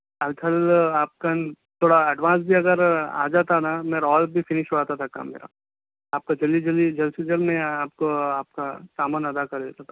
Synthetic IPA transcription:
ɐltʰɐlaːp̚ka | t̪ʰoːɽaɐɖʋãːns̬bʱiɐɡəɾa̰ːd͡ʒaːt̪anameːɾɔːlbʱifɪnɪʃɦoaːt̪at̪ʰaka̰ːmḛːɾa̰ | aːp̚kad͡ʒɐlid͡ʒɐlid͡ʒɐlsed͡ʒɐlmẽaːp̚koaːp̚kasaːmaːnɐd̪akɐɾd̪eːt̪at̪ʰa

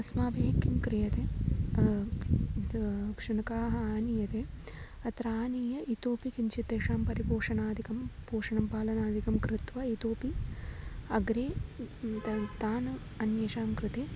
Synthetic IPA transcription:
ɐsmaːbʱeːkjɐmkɾijɐt̪eː | kʂɐnɐkaːɦɐaːnijɐt̪eː | ɐt̪ɾaːniːjɐʔit̪oːpikiɲt͡ʃit̪eːʂaːmpɐɾipoːʂɐnaːd̪ʱikɐmpoːʂɐɳɐmpaːlɐnaːd̪ʱikɐmkɾɪt̪ʋɐit̪oːpi | ɐɡɾeːt̪ɐt̪aːnɐ | ɐnjeʂaːmkɾɪt̪eː

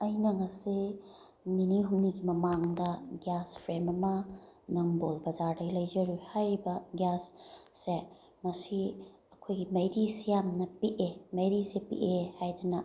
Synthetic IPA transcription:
ɐjnɐŋɐsi | niniɦumniɡimɐmaŋdɐɡjaspʰɾemɐmɐ | nɐŋbolbɐzaɾdɐjlɐjzɐɾuhajɾibɐɡjasːe | mɐsi | ɐkʰojɡimɐjɾisijamnɐpiʔemɐjɾisepḭʔehajdɐnɐ

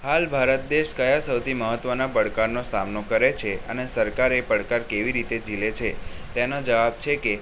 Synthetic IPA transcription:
halbʱaɾət̪̚d̪eʃkəjasəwt̪ʰiməɦət̪ʋənapəɽkaɾnosamnokəɾet͡ʃʰeə̰nesəɾkaɾepəɽkaɾkeʋiɾit̪ed͡ʒilet͡ʃʰet̪enod͡ʒəʋabt͡ʃʰeke

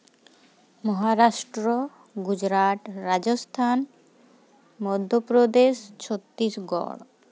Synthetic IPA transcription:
mɔɦaɾaʃʈɾo | ɡud͡ʑɾat̪ɾad͡ʑost̪ʰan | mɔd̪ʱːopɾod̪eʃt͡ɕʰot̪ːɾiʃɡɔ̰ɾ

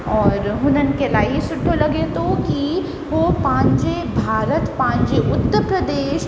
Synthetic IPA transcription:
ɔːɾɦʊnənɪ̆kelaːisʊʈʰːolɐɡet̪oki | ʋopãːɲd͡ʒe | bʱaːɾət̪pãːɲd͡ʒeʔʊt̪ːəɾpɾəd̪eːʃ

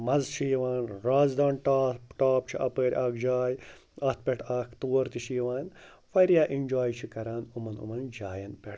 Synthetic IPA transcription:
mɐzt͡ʃʰijʋaːnɾaːzd̪aːɳʈaːpʈaːp̚t͡ʃʰiʔɐpəːɾʲʔaːkʰd͡ʒaːj | ɐt̪̚ʰpʲeʈʰaːkʰt̪uːɐɾt̪iʃijʋaːn | fɐɾjaːʔind͡ʒaːjt͡ʃʰikɐɾaːnumɐnṵmɐnd͡ʒaːjɐnpʲeʈʰ

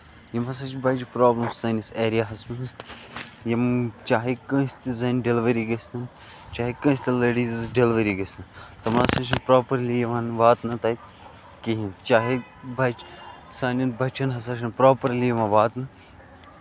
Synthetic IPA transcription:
jɐmɦɐs̬aːt͡ʃʰbɐjt͡ʃpɾaːblɐmsːaːnʲiseːɾijaːɦɐsmɐnz | jɐmt͡ʃaːɦikə̃ːst̪izɐːnɖelʋɐɾiːɡɐst̪ɐn | t͡ʃaːɦikɐ̃ːsʲt̪ileːɖiːzɖelʋɐɾiːɡɐsɐnt̪ɐmasɐt͡ʃʰɐpɾoːpɐɾlijɐʋãːnʋaːt̪nɐt̪ait̪ | kiɦĩnt͡ʃaːɦi | bɐt͡ʃ | saːnʲɐnbʱɐt͡ʃʰɐnɦɐs̬aːt͡ʃʰɐnpɾoːpɐɾlijɐʋãːʋaːt̪nɨ

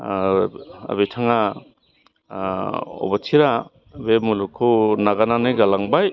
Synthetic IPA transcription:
a̰βetʰaŋa | ɔ̰batʰiɾa | bemulukʰunaɡananɯɡalaŋbaj

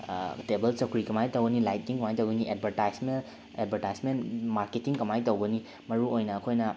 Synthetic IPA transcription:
tebelsɐkʰɾikɐmajtowɡɐnilajt̚kiŋkɐmajtowɡɐniʔed̚bʱɐɾtajsmen | ed̚bʱɐɾtajsmenmaɾketiŋkɐmajtowɡɐni | mɐɾuojnɐːkʰojnɐ

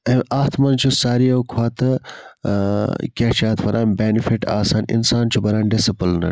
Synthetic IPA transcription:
ɐmʔaːt̪ʰmɐnt͡ʃʰusaːɾijɐwkʰwaːt̪ɨ | kʲeːt͡ʃʰiaːt̪ʰfɐɾʔaːnbeːnifiʈa̰ːsaːnḭnsaːnt͡ʃʰubɐɾaːnɖisipɨlnɐ̰

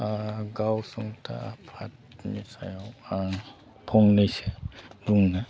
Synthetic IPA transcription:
ɡawsuŋtʰa̰apʰat̚ | nisa̰jawa | pʰɔŋnajsebuŋna

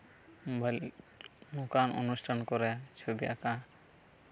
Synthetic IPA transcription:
bʱl | nukano̰nusʈʰankɔɾɛt͡ʃʰobia̰ka

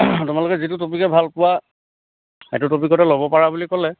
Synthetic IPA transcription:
tʊmalʊkɛzitʊtopikɛbʱalpʊwa | ɛ̰tʊtopikɔtɛlobɔpaɹabulikɔlɛ

